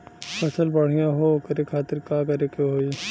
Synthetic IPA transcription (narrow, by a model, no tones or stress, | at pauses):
pʰɐsəlbɐɽ̤ijãɦokɐɾekʰaːt̪ɪɾkaːkɐɾekeɦoːi